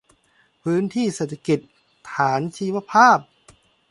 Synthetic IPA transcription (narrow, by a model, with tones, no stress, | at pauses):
pʰɯː˦˥nt̪ʰiː˥˩seː˨˩t̪ʰa˧ki˨˩t̪̚ | t̪ʰaː˩˦nt͡ɕʰiː˧˦˥wa˧pʰaː˥˩p̚